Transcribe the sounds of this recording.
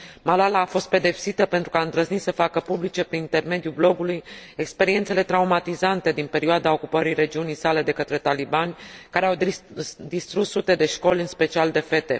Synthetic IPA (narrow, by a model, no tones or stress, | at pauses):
malalaːfo̞st̪̚pe̞d̪e̞psit̪əpe̞nt̪ɾukaɨnt̪ɾəznit̪səfakəpublit͡ʃe̞pɾinint̪e̞rme̞d̪ijublo̞ɡulujekspe̞ɾient̪se̞le̞t̪ɾaumat̪izant̪e̞d̪inpe̞ɾioad̪ao̞kupəɾire̞d͡ʒiunijsale̞d̪e̞kət̪ɾe̞t̪alibanʲkaɾe̞awd̪ist̪ɾut̪sut̪e̞d̪e̞ʃko̞lʲɨnspe̞t͡ʃiald̪e̞fe̞t̪e̞̰